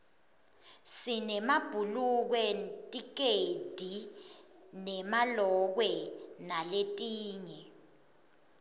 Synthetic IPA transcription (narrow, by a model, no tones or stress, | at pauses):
sinɛmab̥ʱuluk̬wɛtʼik̬ed̥ʱi | nɛmalɔk̬wɛnaletʼiːɲɛ